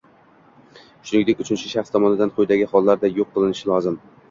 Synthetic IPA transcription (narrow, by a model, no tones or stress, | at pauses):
ʃʊnɪŋʲd̪ekʲʊt͡ʃʰɪnt͡ʃʰɪʃaχst̪ʰɒmɒnɪd̪anqʰʊjd̪aɡʲɪhɒlˠːaɾd̪ajoqʰːɨlˠɪnɪʃɪlˠɒzɪm